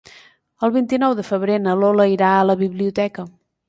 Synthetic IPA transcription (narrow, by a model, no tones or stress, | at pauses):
əlˠβint̪inɔwðəfəβɾenəloləiɾaələβiβliut̪ɛkə